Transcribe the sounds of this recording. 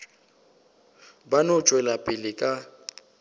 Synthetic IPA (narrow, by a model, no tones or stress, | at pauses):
banʊt͡ʃʼwɛlapʼɪlɪkʼa